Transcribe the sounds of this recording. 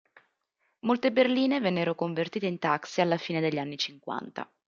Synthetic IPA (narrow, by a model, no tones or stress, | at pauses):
molt̪eberliːnevɛnːeɾokoɱvert̪iːt̪eint̪aksialːafiːned̪eʎːianːit͡ʃiŋkwa̰nt̪a̰